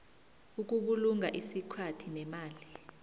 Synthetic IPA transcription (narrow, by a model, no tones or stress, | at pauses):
uk̬uɓuluŋaʔisikʰatʰinɛmaːli